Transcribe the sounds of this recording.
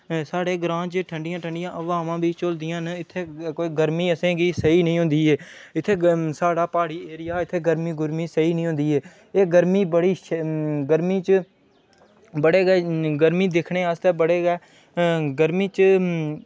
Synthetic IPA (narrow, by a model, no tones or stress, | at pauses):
saːɽeːɡɾãːt͡ʃʈʰəɳɖɪjãːʈʰəɳɖɪjãːʔəʋaːmãːbʱiːt͡ʃʊld̪ɪjãːnɪt̪ʰːeːkoːiːɡəɾmiːəsẽːɡiːsəiːnəĩːɦʊ̃nd̪iːɦeːɪt̪ʰːeːsaːɽaːpaːɽiːeːɾɪjaːɪt̪ʰːeːɡəɾmiːɡʊɾmiːsəiːnəĩːɦʊ̃nd̪iːɦeː | eːɡəɾmiːbəɽiːʃɡəɾmiːt͡ʃə | bəɽeːɡɛːɡəɾmiːd̪ɪkʰɳeːəst̪ɛːbəɽeːɡɛː | ɡəɾmiːt͡ʃ